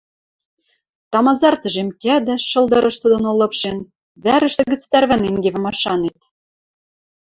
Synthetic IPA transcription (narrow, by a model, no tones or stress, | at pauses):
t̪ɑmɑzɑrt̪ə̆ʒemkæd̪ɘ̆ʃɤ̆ld̪ɤ̆ɾɤ̆ʃt̪ɤ̆d̪ɤ̆nolɤ̆pʃen | βæɾə̆ʃt̪ɘ̆ɣɘ̆t͡st̪æɾβæneŋɡeβɘ̆mɑʃɑnet̪